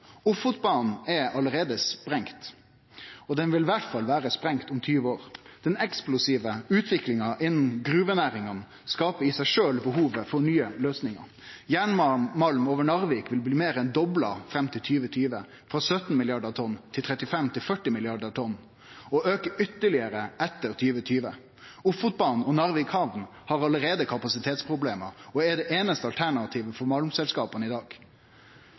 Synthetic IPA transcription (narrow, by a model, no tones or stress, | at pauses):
ʊfʊt̪bɑn̩ɛɑləɾeːd̪əspɾɛŋt̪ | ɔd̪ɛnʋɪlʋæʈfɑlːʋæːɾəspɾɛŋt̪ʊmt̪ʰyːʋəoːɾd̪̥ɛnɛksplʊsiːʋəʉːt̪ʰʋɪklɪŋɑʔɪnːn̩ɡɾʉːʋənæːɾɪŋɑn | skɑːpəɾɪsæɪʂøːlbəɦuːʋəfɔɳyːəløːsnɪŋɑ̰ɾ | jæːɳmmɑlmoːʋəɳɑɾʋeːkʋɪlbliːmeːɾɛnd̪ɔblɑ̰fɾɛmt̪ʰɪlt̪ʰyːʋət̪ʰyːʋə | fɾɑsœt̪n̩mɪlɪɑɖət̪ʰɔnːt̪ʰɪlt̪ʰɾɛt̪ɪfɛmt̪ʰɪlfœʈːɪmɪlɪɑɖəʁt̪ʰɔnː | ɔʔøːkəʏt̪ːəɭɪəɾəʔɛt̪ːəɾt̪ʰyːʋət̪ʰyːʋə | ʊfʊt̪̚bɑnɔnɑɾʋikhɑʋn | hɑɾɑləɾeːd̪əkʰɑpɑsɪt̪ʰeːt̪spʰɾʊbleːməɾɔɛɖ̪ɛʔeːnəst̪əɑlt̪ʰæɳɑt̪ʰiːʋəfɔɾmɑlmsɛlskɑːpənɪd̪ɑːɡ̥